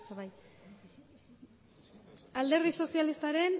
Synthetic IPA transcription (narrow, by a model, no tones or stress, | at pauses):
soβaj | ald̪e̞ɾðiso̞sialist̪aɾe̞n